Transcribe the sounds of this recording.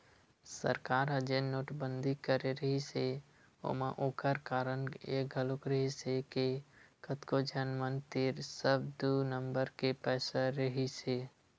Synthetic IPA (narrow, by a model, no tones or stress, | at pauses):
sə̰ɾkaːɾəd͡ʒenoːʈbə̃nd̪ʱikəɾeɾəɦise | o̰mãʔoːkəɾkaːɾənḛk̚ɡʱəlʊkɾəɦisekekət̪kod͡ʒənmənt̪ɪɾsəbd̪unəmbəɾkepɛːsaɾəɦiseː